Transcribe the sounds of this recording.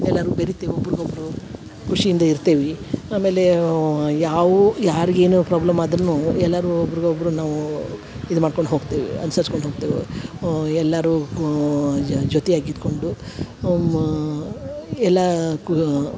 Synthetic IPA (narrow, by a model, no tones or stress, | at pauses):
ɛlːɐɾubeɾit̪ːeʋiobːɾiɡobɐɾu | kuʂijind̪ɐiɾt̪eːʋiaːme̞ːle̞ | jaːʋujaːɾiɡe̞ːnupɾaːblɐmaːd̪ɾɐnːuɛlːɐɾuobːɐɾiɡobːɐɾunaːʋu | id̪umaːɖko̞ɳɖɦoːɡt̪eːʋḭɐ̰nusɐɾskoɳɖɦoːɡ̚t̪eːʋḭ | ɛlːɐɾu | d͡ʒot̪ɛjaːɡid̪ko̞ɳɖu | ɛlːɐk